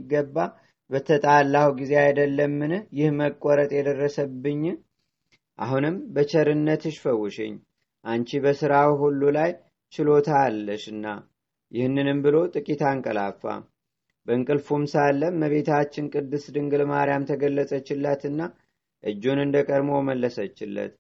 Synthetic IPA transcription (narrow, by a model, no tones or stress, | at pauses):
ɡːəbːa | bət̪ʰət̪ʼalːawɡize̞ajd̪əlːəmːɨnɨhjɪhməkʼːɔɾət̪ʼjɛd̪ərːəsəbːɨɲː | ʔa̰ɦunɨmbət͡ʃʰəɾɨnːət̪ɨʃfəwʊʃɪ̰ɲː | ʔant͡ʃibəsɨɾawɦulːulaj | t͡ʃɪlo̞t̪ʰalːəʃɨnːa̰ | jɪhnːɨnɨmbɨlo̞t̪ʼɨkʼit̪ʰaɨŋkʼəlafːa̰ | bəɨŋkʼɨlfumsalːəmːəβe̞t̪ʰat͡ʃːɪnkʼɨd̪ːɨsd̪ɨŋɡɨlmaɾijamt̪ʰəɡəlːəsʼət͡ʃːɪlːat̪ɨnːa | ʔɨd͡ʒːunɨnd̪əkʼəɾmoməlːəsət͡ʃːɪlːə̰t̪